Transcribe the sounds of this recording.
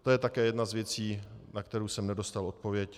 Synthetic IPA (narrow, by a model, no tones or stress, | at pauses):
t̪ojɛt̪akɛːjɛdnazvjɛt͡siːnakt̪ɛɾuwsɛmnɛdo̞st̪alo̞t̪̚po̞vjɛc